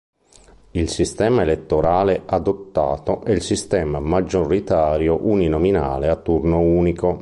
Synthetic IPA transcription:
ilsist̪ɛːmaelet̪ːoɾaːleʔad̪ot̪ːa̰ːt̪oʔɛilsist̪ɛːmamad͡ʒːorːit̪aːɾjoʔuninɔmina̰ːleat̪ːurnouːnikʰo

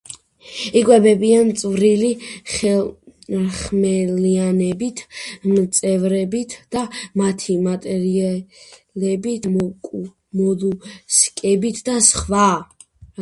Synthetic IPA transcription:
ikʼwɛbɛbiant̪sʼvɾiliχɛ | χmɛlianɛbit̪ʰmt̪sʼɛvɾɛbit̪ʰd̪̥amat̪ʰimat̪ʼɛɾialɛbikʼ | mɔluskʼɛbit̪ʰd̪asχva

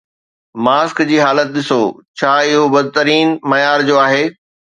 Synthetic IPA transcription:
maːskd͡ʑiːɦaːlət̪̚ɗɪsot͡ɕʰaːɪɦobɐd̪ʱɪt̪əɾiːnmɐjaːɾd͡ʑoːaːɦeː

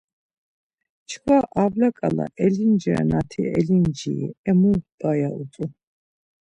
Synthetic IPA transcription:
t͡ʃʰkwaʔavlakʼala̰ʔɛlind͡ʒɾa̰nat̪ʰiɛ̰lind͡ʒiɛmud̪ʼajaut͡s̪ʼu

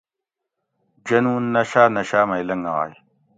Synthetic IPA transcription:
d͡ʑɐnuːnːɐɕaːnɐɕaːmajlɐŋa̰a̰j

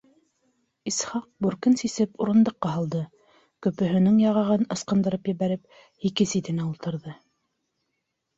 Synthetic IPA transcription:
isχɑq̚bʉɾkɘnsisɘpuɾɤ̆nd̪ɤ̆qːɑɦɑlˠd̪ɤ | kɵ̆pɵ̆ɦɵ̆nɘŋjɑʁɑʁɤnɤ̆sqɤ̆nd̪ɤ̆ɾɤpjɘ̆βæɾɘp̚ | hikɘsit̪ɘ̆næulˠt̪ɤ̆ɾðɤ

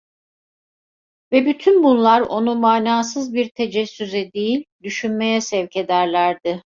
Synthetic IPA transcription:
vɛbyt̪ʰynbunlˠaɾo̞̰numaːnaːsɯzbiɾt̪ʰed͡ʒɛsːyzɛd̪ejilʲd̪yʃynme̞jɛsɛvcʰe̞d̪æɾlʲæɾd̪ɪ

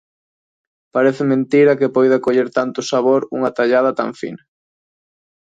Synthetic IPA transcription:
paɾeθɪmẽnt̪iɾɐkɪpojðɐkoʎeɾt̪ant̪ʊsaβoɾṵŋat̪aʎað̞ɐt̪a̰ɱfḭnɐ

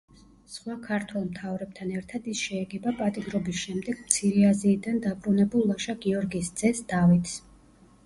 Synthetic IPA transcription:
sχwakʰaɾt̪ʰwɛlˠmt̪ʰavɾɛb̥̚t̪ʰanɛɾt̪ʰad̪isʃɛːɡɛbapʼat̪ʼiɡ̪ɾɔbisʃɛmd̪ɛɡ̥̚mt̪sʰiɾɛaziːd̪and̪abɾunɛbulˠːaʃaɡiɔɾɡisd̪z̥ɛsd̪̥avit̪ʰs

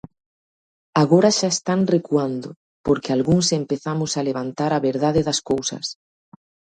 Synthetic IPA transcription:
aɣoɾaʃaest̪aŋrekuand̪ʊ | poɾkɪalɣuŋsempeθamʊsaleβant̪aɾaβeɾðaðɪðɐskowsɐ̰s

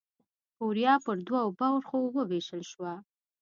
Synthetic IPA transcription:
koɾijɑpəɾd̪wawbawɾxowəweʃəlʃwa

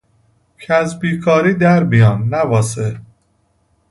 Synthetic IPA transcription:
cʰæzbiːkʰɒːɾiːd̪æɾbijɒːnnævɒːse

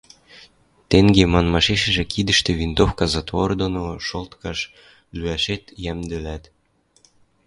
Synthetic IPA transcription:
t̪eŋɡemɑnmɑʃeʃɘ̆ʒĕkʰid̪ə̆ʃt̪ĕβint̪ofkɑzɑt̪vord̪onoʃolt̪kɑʃ | lyæʃet̪jæmd̪ɘ̆læt̪

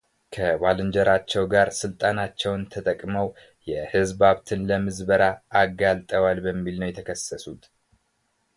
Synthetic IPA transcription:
kʰəβalɨnd͡ʒəɾat͡ʃːɛwɡaɾsɨlt̪ʼanat͡ʃːɛwnt̪ʰət̪ʼəkʼməw | jɛhɨzbaβt̪ʰɨnləmɨzbəɾaʔːɡalt̪ʼəwalbəmːilnəwjɛt̪ʰəkʰəsːəsut̪

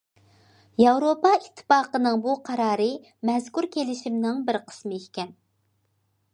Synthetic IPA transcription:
jɑwɾopɑit̪ʰːɨ̥pɑːqənɨŋbuqʰɑɾɑːɾɨ | mɛzkuɾkʲʰelɪʃimnɪŋbɪɾqʰə̥smɨekʲɛn

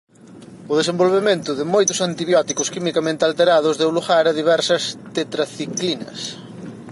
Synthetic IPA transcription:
ʊðesẽmbolβemẽnt̪ʊðɪmojt̪ʊsant̪iβjɔt̪ikʊskimikamẽnt̪ɪalt̪eɾaðʊzðɪuluɣaɾɐðiβ̞ɛɾsɐst̪et̪ɾaθiklinɐ̰s

